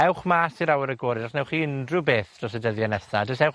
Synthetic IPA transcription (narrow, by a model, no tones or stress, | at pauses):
ɛwχmaːsiɾawɛɾəɡɔːɾɪdɔχnɛwχiɪndrʊbeːθd̥rɔs̬ɛdəðjanɛsadəsɛwχ